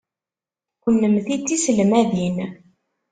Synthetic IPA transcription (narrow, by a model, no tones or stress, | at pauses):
ənːəmθit͡sːisəlmæðin